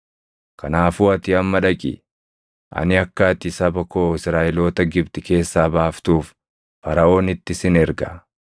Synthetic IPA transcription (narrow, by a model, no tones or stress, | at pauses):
kʰɐnaːfuːɐt̪ɪɐmːɐᶑɐkʼɪ̰ | ʔɐ̰nɪɐkːaːt̪ɪsɐbɐkoːɪsɾaːʔɛlo̞ːt̪ɐɡɪbt̪ɪke̞ːsːaːbaːft̪uːf | fɐɾɐʔo̞ːnɪt̪ːɪsɪnɛɾɡɐ